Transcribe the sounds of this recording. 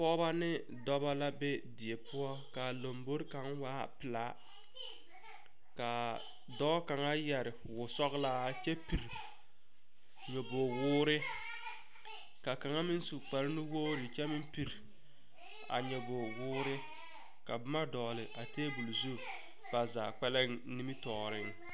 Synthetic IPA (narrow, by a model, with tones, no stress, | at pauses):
pɔ˦ba˦nɪ˦ | dɔ˦ba˦la˦be˦dɪ˨e˨pʊ˦ɔ˦ka˨lo˨mbo˦ɾka˨˦ŋwaː˦pɪ˨la˦ | ka˨ | dɔː˦ka˨ŋa˦jɛ˨ɾɪ˨wʊ˨sɔ˦ɣla˦˨t͡ʃɛ˦pi˨ɾ | ɲo˨bo˨wʊː˦ɾɪ˦ | ka˨ka˨ŋa˦mɪ˦n˦su˨k͡pa˨ɾɪ˦nɪ˦woː˦ɾɪ˨t͡ʃɛ˦mɪ˦mpi˨ɾ | a̰˨ɲɛ˨bo˨wʊː˦ɾɪ˦ | ka˨bʊ˦ma˦dɔː˨lɪ˨ʔa˨teː˦bu˨lzu˦ | b̥a˨zaː˨k͡pɛ˦lɛ˦ŋni˦mi˦tɔː˨ɾɪ˦ŋ